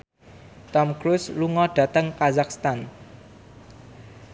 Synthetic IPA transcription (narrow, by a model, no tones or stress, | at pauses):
t̪ɔmkɾusluŋɔɖ̥ä̤t̪əŋkazakst̪an